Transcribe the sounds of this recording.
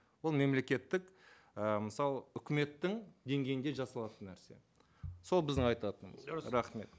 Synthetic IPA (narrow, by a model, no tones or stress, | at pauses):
wo̞lˠme̞mle̞kʲe̞t̪ːɪk | əməsɑlˠəʏkʲɪme̞t̪ːɪŋd̪e̞ŋɡʲe̞jɪnd̪e̞ʒɑsɑlˠɑt̪ənːæɾse̞̰ | so̞lˠbɪzd̪ɪŋɑjt̪ɑt̪ənmə̰zɾɑχme̞t̪